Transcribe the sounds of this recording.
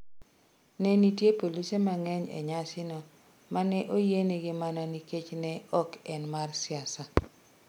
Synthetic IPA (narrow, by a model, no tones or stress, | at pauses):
nɛnitjepolisemaŋɛɲḛɲasɪnɔ | manɛʔojeneɡɪmanɔniket͡ʃnɛɔkɛnmarsɪasa